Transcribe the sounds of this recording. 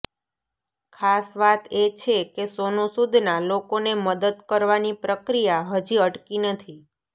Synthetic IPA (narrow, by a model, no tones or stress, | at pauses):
kʰasʋat̪et͡ʃʰekesonũsud̪ʱnalokoneməd̪əd̪kəɾʋanipɾəkɾijaɦəd͡ʒiəʈkinət̪ʰi